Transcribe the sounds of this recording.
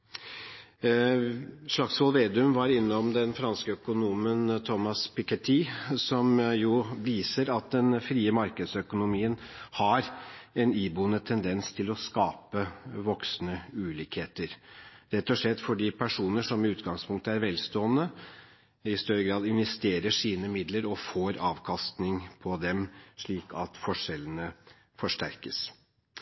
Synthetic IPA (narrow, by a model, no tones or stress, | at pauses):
ʂɭɑksʋɔlʋeːd̪ʉmʋɑɾɪnːɔmd̪ɛnfɾɑnskəœkʊnuːmənt̪ʰɔmɑspɪkət̪ʰisɔmjʊʋiːsəɾɑt̪̚d̪ɛnfɾiːəmɑɾkəd̪sœkʊnʊmiːənhɑɾɛniːbunət̪ʰɛnd̪ɛnst̪ʰɪlɔskɑːpəʋɔksnəʉːliːkheːt̪əɾɾɛt̪ːɔʂlɛt̪ːfɔɖiːpʰæʂuːnəʂɔmːɛʉːt̪ɡɑŋspʰʊŋk̚t̪əæɾʋɛlst̪oːənə | ɪst̪œɾəɡɾɑːd̪ɪnʋɛst̪eːɾəʂiːnəmɪd̪ləɾɔfoːɾɑːʋkʰɑst̪nɪŋpʰɔd̪ɛmʂɭiːkʰɑ̰t̪fɔʂɛlənə | fɔʂʈæ̰ɾkəs